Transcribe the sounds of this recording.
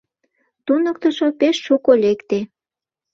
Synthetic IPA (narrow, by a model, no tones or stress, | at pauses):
t̪unək̚t̪əʃopeʃːukolekt̪e